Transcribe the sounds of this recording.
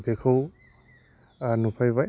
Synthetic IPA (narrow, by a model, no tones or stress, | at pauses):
bʱekʰɯw | nupʰajbaj